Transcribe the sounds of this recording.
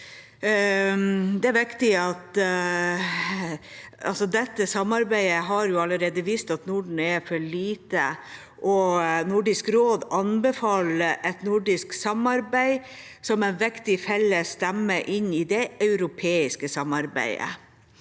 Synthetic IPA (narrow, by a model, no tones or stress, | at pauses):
d̪ɛæɾʋɪkt̪ɪɑt̪ | ɑlsɔd̪ɛt̪ːəsɑmːɑɾbæɪəɦɑɾjʊɑləɾeːd̪əʋiːst̪ɑt̪nʊɖɳ̩ɛfɔɭiːt̪ə | ʔɔnʊɖɪskɾoːd̪ɑnbɛfɑːləʔɛt̪nʊɖɪsksɑmɑɾbæɪ | sɔmɛnʋɪkt̪ɪfɛlːəst̪æmːəʔɪnːɪd̪ɛœʉɾʊpʰeːɪskəsɑmɑɾbæ̰ɪə̰